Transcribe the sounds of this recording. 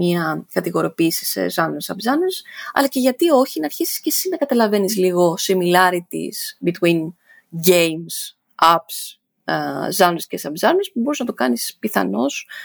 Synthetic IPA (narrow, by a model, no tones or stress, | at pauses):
iɐkɐt̪iɣo̞ɾo̞piːsi̥sḛzɐnulesɐbzɐnɾsɐ̰lɐce̞ʝɐt̪io̞çinɐɾçisi̥sce̞simekɐt̪ɐlɐve̞nizliɣo̞similɐɾit̪ḭsbit̪win | ɟejms | ɐps | zɐnescesɐbzɐnɾespubo̞ɾiznɐt̪okɐnispiθɐ̰no̞s